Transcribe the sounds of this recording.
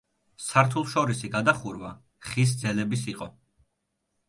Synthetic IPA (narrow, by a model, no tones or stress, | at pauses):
saɾt̪ʰulˠʃɔɾisiɡad̪aχuɾva | χis̬d̪zɛlɛbisiqʼɔ